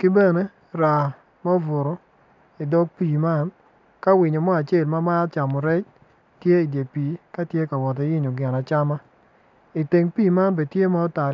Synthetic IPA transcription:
kɪ˦bɛ˦ne˦ | ɾa˨ | ma˦vʊ˨ɾo˨ | i˨dɔ˦ɡ̚pi˨ma˦n | ka˦wɪ˨ɲo˨mɔ˦a˨t͡ʃe˦˨lma˦ma˦t͡ʃa˨mɔ˨ɾɛ˦t͡ʃ | tje˦i˨d͡ʒe˨pi˨ka˦tje˦ka˨wɔ˨t̬e˨˦jɪ˦ɲo˨ɡɛ˨na˨t͡ʃa˦ma˦ | i˨te˨ŋpi˦˨ma˦nbe˨tje˦ma˦ɔ˦ta˨

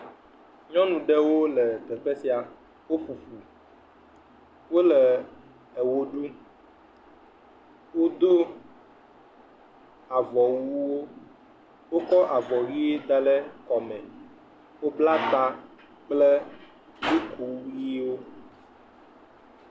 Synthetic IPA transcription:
ɲɔ̃˦nũ˨ɖɛ˦wo˦lɛ˨t̪ɛ˨ɸɛ˦si˦a˨ | wo˦ɸu˨ɸu˨ | wo˦lɛ˨ | ɛ˨wo˦ɖu˦ | wo˦d̪o˦ | a˨vɔ˨wu˦wo˦ | wo˦kɔ˦ʔa˨vɔ˨ɣi˦e˦d̪a˦lɛ˦kɔ˨mɛ̃˨ | wo˦bla˦t̪a˦ | k͡plɛ˦ | ni˦kʰu˨˦ji˦wo˦

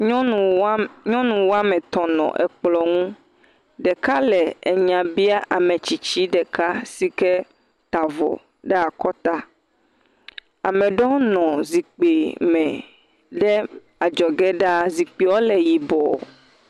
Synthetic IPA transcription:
ɲɔ̃˦nũ˨wo˦a˦mɛ̃˨t̪ɔ̃˨nɔ̰̃˨ʔɛ̰˨k͡plɔ˨ŋũ˦ | ɖɛ˨ka˦lɛ˨e˨ɲã˨bi˦a˦ʔa˨mẽ˨t͡ɕi˨t͡ɕi˦ɖɛ˨ka˦si˦kɛ˦ | t̪a˨vɔ̰˨ | ɖɛ˦a˨kɔ˦t̪a˦ | a˨mɛ̃˨ɖɔ˦nɔ̃˨zi˨k͡pe˨mɛ̃˨ | ɖɛ˦ | a˨d͡ʒɔ˨ɡɛ˦ɖa˦zi˨k͡pi˨wɔ˦lɛ˨ji˨bɔ̰˨

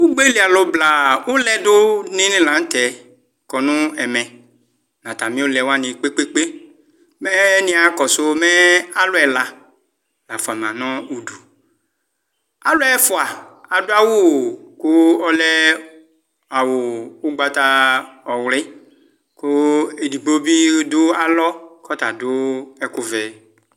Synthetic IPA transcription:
wu˦ɡ͡be˦li˨˦a˨lɔ˨bla˨wo˦lɛ˦dʊ˦nĩ˦nĩ˦lã˨˦n̩˦tɛ˨ | kɔ˨nũ˦ɛ˨mɛ̃˨ | nã˨ta˨mĩ˦o˦lɛ˨wa˦˨nĩ˨k͡pe˦k͡pe˦k͡pe˦ | mɛ˦nĩ˦a˨kɔ˨so˦mɛ˦a˦lʊ˦ɛ˨la˨ | la˨fo˨a˨m˨ã˨nɔ̃˦u˨du˨ | a̰˨lʊ˦ɛ˦fo˨a˨a˨dʊ˦a˦wo˦˨kʊ˦ɔ˦lɛ˦ | a˨wo˨o˦ɡ͡ba˦t̪a˦ɔ˨wlɪ˦ | kʊ˦e˨di˨bo˦bi˦dʊ˦a˨lɔ˦kɔ˦t̪a˨dʊ˦ɛ˦kʊ˦vɛ˦

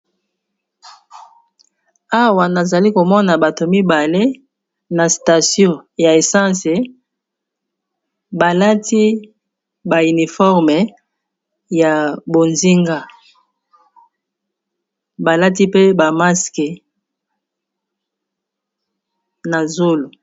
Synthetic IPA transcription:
a˦wa˨na˨za˨li˦ko˨mɔ˦na˨ba˨to˨mi˦ba˨le˦ | na˨sta˨sjɔ̃˦ja˨e˨sã˦se˨ | ba˨la˦tʰi˦ | ba˨y˨ni˨fɔ˦ʁmɛ˨ | ja˨bo˨nzi˦ŋɡa˦ | ba˨la˦t̬i˦pe˦ba˨ma˦ske˨ | na˨zo˦lo˨

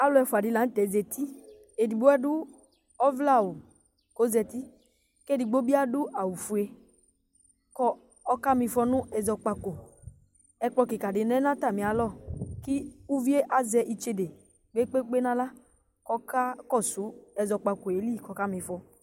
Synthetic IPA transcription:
a˦lɔ˧˦ɛ˧fu˨a˨di˨˧la˨˦n̩˦tɛ˨˦zɛ˧tʰi˦ | e˨di˨bo˦ɛ˦du˦ | ɔ˦vla˦˨wu˨ | ko˨˦zɛ˧t̪i˦ | ke˦˨di˨˧ɡ͡bo˦bi˦a˦du˦ʔa˨wu˨fu˨e˧ | kɔ˦ | ɔ˦ka˦mĩ˧fɔ˧nũ˦ɛ˧zɔ˧k͡pa˧ko˨ | ɛ˧k͡pɔ˧ki˨ka˨dɪ˨nɛ˨˦nã˦ta˦˨mĩ˨a˨lɔ˦˨ki˦u˦vi˦e˦ʔa˦zɛ˧ʔi˧t͡ʃe˧de˨ | ɡ͡be˦k͡pe˦k͡pe˦nã˦la˦ | kɔ˦ka˦kɔ˦˨su˨˦ɛ˧zɔ˧k͡pa˧ko˨e˨˦li˦˨kɔ˧ka˦mĩ˧fɔ˧

